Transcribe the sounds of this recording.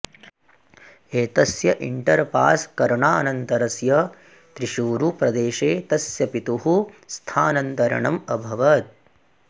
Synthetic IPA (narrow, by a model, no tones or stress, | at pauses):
eːt̪ɐsjɐʔiɳʈɐɾpaːskɐɾɳaːɐnɐnt̪ɐɾɐsjɐ | t̪ɾiʃuːɾupɾɐd̪eːʃeːt̪ɐsjɐpit̪uɦust̪ʰaːnɐnt̪ɐɾɐ̰ɳɐ̰mɐbʱɐʋɐt̪̚